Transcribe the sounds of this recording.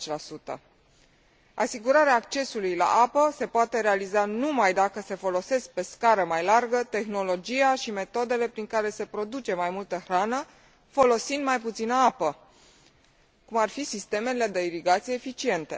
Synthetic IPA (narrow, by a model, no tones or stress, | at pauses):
t͡ʃlasut̪ə̰ | a̰siɡuɾaɾeaːkt͡ʃe̞sulujla̰ʔapəse̞poat̪e̞ɾe̞alizanumajd̪akəse̞fo̞lo̞se̞sk̚pe̞skaɾəmajlarɡət̪e̞xno̞lo̞d͡ʒiaʃime̞t̪o̞d̪e̞le̞pɾiŋkaɾe̞se̞pɾo̞d̪ut͡ʃe̞majmult̪əxɾanə | fo̞lo̞sind̪majput̪sinəapə | kumarfisist̪e̞mele̞d̪e̞iɾiɡat̪sijeːfit͡ʃie̞nt̪e̞̰